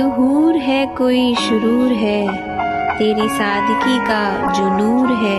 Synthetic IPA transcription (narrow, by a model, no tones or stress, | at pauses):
ʊɦuːɾɦɛkoːiʃʊɾuːɾɦɛ | t̪eːɾisaːd̪ʱkikad͡ʒonuːɾɦɛː